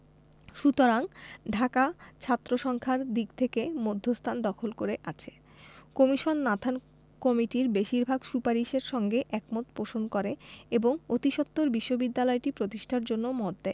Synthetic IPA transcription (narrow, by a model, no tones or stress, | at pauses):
ʃut̪oɾaŋɖʱakat͡ɕʰat̪ːɾoʃɔŋkʰaɾd̪iɡt̪ʰekemod̪ʱːost̪ʰand̪ɔkʰolkoɾeʔat͡ɕʰe̥ | komiʃonːad̪ʰʱan | kɔmiʈiɾbeʃiɾbʱaɡʃupaɾiʃeɾʃɔŋɡeʔɛkmot̪poʃonkoɾeeboŋot̪iʃot̪ːoɾbiʃːobid̪ːalɔeʈipɾot̪iʃʈʰaɾd͡ʑonːomɔd̪d̪e